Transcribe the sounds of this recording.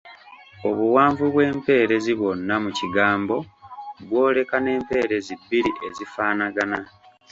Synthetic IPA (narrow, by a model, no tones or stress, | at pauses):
o̞βuwaːɱvuβwe̞ːmpe̞ːɾe̞ziβo̞nːamuciɡaːmbo̞βwo̞ːle̞kane̞ːmpe̞ːɾe̞zibːiɾiʔe̞zifaːnaɡana